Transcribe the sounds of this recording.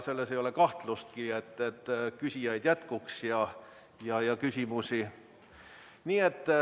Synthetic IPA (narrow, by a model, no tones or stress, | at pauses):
selːesejo̞lekɑht̪lust̪̚kiet̪ːet̪ːkysʲijɑjd̪̥jæt̪kuksjɑ | jɑjɑkysʲimusi | niːe̞t̪ː